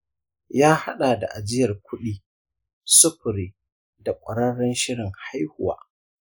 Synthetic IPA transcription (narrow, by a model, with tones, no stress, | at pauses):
jaː˦ha˦ɗaː˨da̰˨ʔa˨d͡ʒɪ˦jɐ˨rkʷʰʊ˦ɗiː˦ | sʊ˦ɸʊ˨ɾiː˨ | da˨kʷʼɐ˨ɽɐ˦ɽɔ˦nʃɪ˦ɽɪ˨ŋha˦jhʊ˨wa̰ː˦